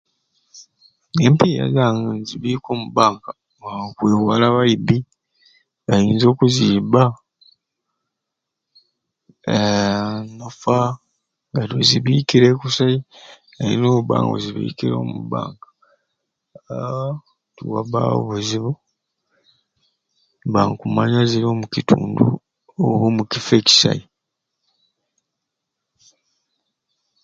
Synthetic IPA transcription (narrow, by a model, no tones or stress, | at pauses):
empija̰zaŋanziβiːkoːmubaːŋɡa | kweːhwalaβaibi | ajiːnzo̞ːkuziːba | e | nofa | ŋɡatoziβikiɾekusai | eḭnoːβa̰ːŋɡo̰ziβḭːkiɾoːmṵba̰ːŋɡḁ | tuwaβa̰o̰βuziβo | βaŋkumaɲaziɾoːmucituːndu | oβomukifeci̥sa̰i